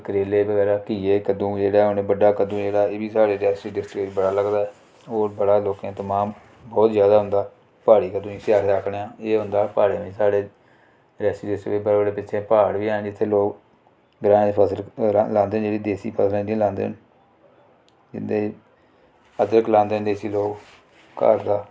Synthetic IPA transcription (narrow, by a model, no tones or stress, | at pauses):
kəɾeːleːbəɡɛːɾaːkiːeːkəd̪ũːd͡ʒeːɽaːʊneːbəɖaːkəd̪ũːd͡ʒeːɽaːeːbiːsaːɽeːɾɛːsiːɖɪsʈɾeːd͡ʒbəɽaːləɡd̪aːɛː | oːɾbəɽaːloːkãːt̪əmãːm | bɔːt̪zjaːd̪aːɦʊ̃nd̪aː | paːɽiːkəd̪ũːĩːsɪaːɾeaːkʰɽeːãːeːɦʊ̃nd̪aːpaːɽeːmĩːsaːɽeː | ɾɛːsiːɖɪsʈebəɾːbəɖeːpɪt͡ʃʰẽːpaːɽʋĩːd͡ʒɪt̪ʰːeːloːk | ɡɾãːẽpʰəsəllãːnd̪eːnd͡ʒeːɽiːd̪eːsḭːpʰəsəlɛ̃ːd̪ĩlãːnd̪ḛːn | d͡ʒɪ̰nd̪eːi | ət̪ɾəklãːnd̪eːənd̪eːsiːloːk | ka̰ːɾd̪aː